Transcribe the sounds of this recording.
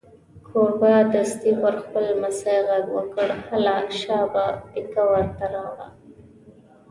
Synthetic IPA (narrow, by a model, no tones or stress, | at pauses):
kʰoɾbad̪ast̪ipəɾxpəlmasajɣaɡwəkəɽhalɑʃɑbapikawaɾt̪aɾɑwɽa̰